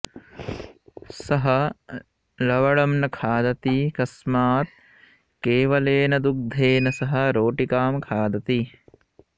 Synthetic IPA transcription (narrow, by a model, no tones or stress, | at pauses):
sɐɦɐ | lɐʋɐɭɐmnɐkʰaːd̪ɐt̪ikɐsmaːt̪̚ | keːʋɐleːnɐd̪uk̚d̪ʱeːnɐsɐɦɐ̆ɾoːʈikaːmkʰaːd̪ɐt̪i